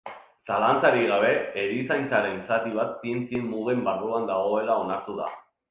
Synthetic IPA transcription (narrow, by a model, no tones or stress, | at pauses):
salant͡saɾiɣaβ̞e̞ːɾisajnt͡saɾe̞nsat̪iβ̞at̪sie̞nt͡siemːuɣembaruand̪aɣ̞o̞e̞lao̞naɾt̪uða̰